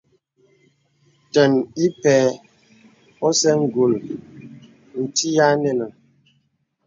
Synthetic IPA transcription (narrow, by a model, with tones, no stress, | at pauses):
tə˨ni˦pɛː˨˦ | ɔ˦sɛ˦ŋ̩˨ɡu˨l | n̩˨ti˦ja˦nɛ˨nə˨ŋ